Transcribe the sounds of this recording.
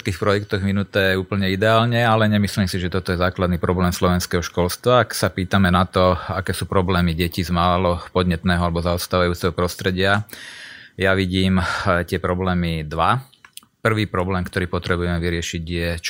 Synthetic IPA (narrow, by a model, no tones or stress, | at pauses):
t̪̚kiːxpɾɔjɛkt̪ɔɣminut̪ɛːjɛuːpl̩ɲɛid̪ɛaːlɲɛalɛɲɛmisliːmsiʒɛt̪ɔt̪ɔjɛzaːklad̪niːpɾɔblɛːmslɔʋɛnskɛɦɔʃkɔlst̪ʋaːksapiːt̪amɛnat̪ɔakɛːsuːpɾɔblɛːmiɟɛcizmaːlɔpɔd̪ɲɛt̪nɛːɦɔalɛbɔzaɔst̪aːʋajuːt͡sɛɦɔpɾɔst̪ɾɛɟɪa | jaʋiɟiːmt̪ɪɛpɾɔblɛːmid̪ʋa | pr̩ʋiːpɾɔblɛːmkt̪ɔɾiːpɔt̪ɾɛbujɛmɛʋiɾɪɛʃiɟjɛt͡ʃ